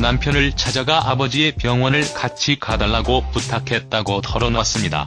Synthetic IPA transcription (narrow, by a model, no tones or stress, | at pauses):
nampʰjʌnɯɭt͡ɕʰad͡ʑaɡaʔabʌd͡ʑie̞pjʌŋwʌnɯɭkat͡ɕʰikadaɭːaɡoputʰakʰe̞t̚t͈aɡotʰʌɾʌnas͈ɯmɲida̰